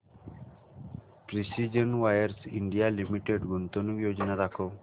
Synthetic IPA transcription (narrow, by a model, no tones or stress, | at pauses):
pɾisid͡ʒənwajəɾsiɳɖijalimiʈeɖɡunt̪onuɡjod͡ʒɔnaɾakʰo